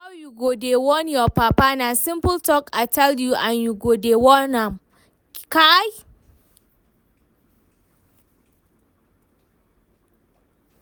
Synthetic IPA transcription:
awjuɡodewɔnjɔpapanasɪmpʊltɔkataljuʔanjuɡodewɔnam | kaj

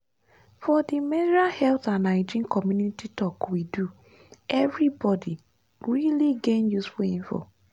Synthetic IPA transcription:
fɔdimɛdiɹahɛlθãnaɪd͡ʒĩnkʰɔmjunititɔkwidu | ɛvɹibɔdi | ɹiliɡẽnjusfulĩmfɔ̰

